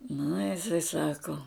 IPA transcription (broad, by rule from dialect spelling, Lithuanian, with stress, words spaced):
nʊ jɪˈsɐɪ ˈsɑːkoː